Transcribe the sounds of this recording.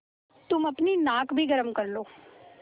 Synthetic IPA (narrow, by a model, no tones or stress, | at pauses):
t̪ʊməpniːnaːkbʱiːɡəɾəmkəɾloː